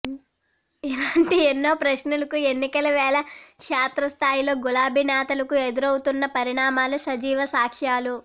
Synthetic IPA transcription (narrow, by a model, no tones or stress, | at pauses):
ilaːɳʈienːo̞ːpɾɐʃnulɐkue̞nːikɐlɐʋɛːlɐkʂaːt̪ɾɐst̪ʰaːjilo̞ːɡulaːbʱinaːt̪ɐlɐkued̪uɾɐwut̪unːɐpɐɾiɳaːmaːlusɐd͡ʒiːʋɐsaːkʂaːlu